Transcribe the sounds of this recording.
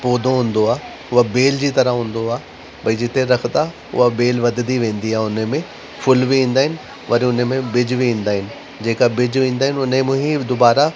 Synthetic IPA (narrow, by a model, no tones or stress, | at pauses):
poːd̪ʱoɦũːnd̪oaː | ʊɦabeːld͡ʑiːt̪ɐɾəɦũːnd̪oaː | bɐid͡ʑɪt̪eɾɐkʰt̪a | ʊ̰ɦabeːlʋɐd̪d̪iʋẽːn̆d̪iaːɦʊnmẽ | fʊlbiʋẽːn̆d̪aːɦɪnɪ̆ | ʋɐɾiʊnmẽbɪd͡ʑʋiʋẽːnd̪aːɦɪnɪ̆ | d͡ʑeːkabɪd͡ʑʋẽːnd̪aːɦɪnɪʊnẽmũɦĩd̪obaːɾa